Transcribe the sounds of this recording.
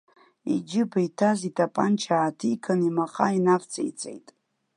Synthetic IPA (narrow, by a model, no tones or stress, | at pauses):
ḭd͡ʒɪbaitʰazitʰapʼa̰nt͡ʃʰaːtʰikʰanimaqʼainapt͡sʼḛjt͡sʼḛjtʼ